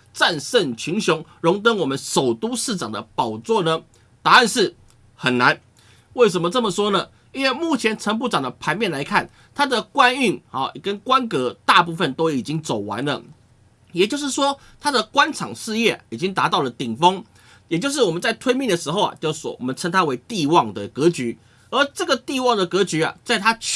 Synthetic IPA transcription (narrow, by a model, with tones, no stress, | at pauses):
t͡sa˥˧nsə˥˨nt͡ɕʰy˧˥nɕjʊ˧˥ŋɻʊ˧˥ŋt̪ə˥nwɔ˨˩mə˦nʂo˨˩ʊt̪u˥ʂɻ̩˥˩ʈ͡ʂɑ˨˩ŋd̪ə̰˦pɑ˨˩ʊt͡swɔ˥˩nə˩ | t̪a˨˥a˥˧nʂɻ̩˥˩ | xə˨˩nna˧˦n | we˥˩ɪʂ̬ə˧˥mə˨˧t͡sə˥˩mə˩ʂwɔ˥nə˨ | i˥nwe˥˧ɪmu˥˩t͡ɕʰjɛ˧˥nt͡sʰə˧˥ŋp̬u˥˩ʈ͡ʂɑ˨˩ŋd̪ə˦pʰa˧˥ɪmjɛ˥˨nla˧˥ɪkʰa˥˩n | t̪ʰa˥d̪ə˨kwa˦˥ny˥˩nɑ˥˨˩kə˦nkwa˦nkɤ˧˥t̪a˥˧p̬u˥˧fə˨nt̪o˥ʊi˨˩t͡ɕi˥ŋt͡so˨˩ʊwa̰˧˦nlə̰˨ | jɛ˨˩t͡ɕjʊʂ̬ɻ̩˥˩ʂwɔ˥ | t̪ʰa˥d̪ə˨kwa˥nʈ͡ʂʰɑ̰˨˩ŋʂɻ̩˥˧jɛ˥˩i˨˩t͡ɕi˦˥ŋt̪a˧˥t̪ɑ˥˩ʊlə˩t̪i˨˩ŋfɤ˥ŋ | jɛ˨˩t͡ɕjʊʂ̬ɻ̩˥˩wɔ˨˩mə˦t͡sa˥˩ɪt̪ʰwe˥ɪmi˥˩ŋd̪ə˩ʂɻ̩˧˥xo˥˧ʊa̰˨˩t͡ɕjɔ̰˥wɔ̰˨˩mə˦nt͡sʰə˧˥ŋt̪ʰa˥we˧˥ɪt̪i˥˧wɑ˥˩ŋd̪ə˨kɤ˧˥t͡ɕy˧˥ | ə˞˧˥ʈ͡ʂɤ˥˩ɡə˨t̪i˥˧wɑ˥˩ŋd̪ə˩kɤ˧˥t͡ɕy˧˥a̰˨t͡sa˥˩ɪt̪ʰa˥